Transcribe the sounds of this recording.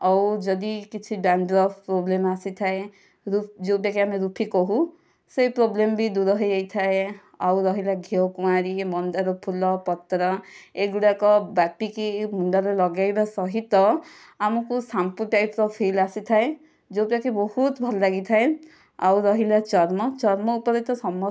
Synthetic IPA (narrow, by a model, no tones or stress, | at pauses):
awd͡ʒɔd̪ikit͡ʃʰibanɖɾɔpʰpɾoblemasit̪ʰae | ɾud͡ʒowpakiamiɾupʰikɔɦũ | sejpɾoblembid̪uɾɔɦɔajt̪ʰae | awɾɔɦilaɡʱiɔwkumaɾimɔnd̪aɾɔpʰulɔpɔt̪ɾɔeɡuɽakɔbapikimuɳɖalelɔɡajbasɔɦit̪ɔ | amɔkusampuʈajpɾɔpʰilasit̪ʰae | d͡ʒowpakibɔhut̪bʱɔlɔlaɡit̪ʰae | awɾɔɦilat͡ʃɔɾmɔt͡ʃɔɾmɔupɔɾɔt̪ɔsɔmɔ